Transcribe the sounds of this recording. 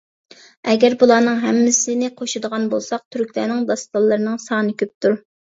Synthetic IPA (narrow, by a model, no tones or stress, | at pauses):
ɛɡʲɛɾbulˠɑːnɨŋɦɛmːɪsɪnɪqʰoʃɨd̪əʁɑnbo̰lˠsɑq̚t̪ʰyɾkʲlænɪŋd̪ɑst̪ɑlˠːəɾɨnɨŋsɑːnɨkʲøp̚t̪ʰuɾ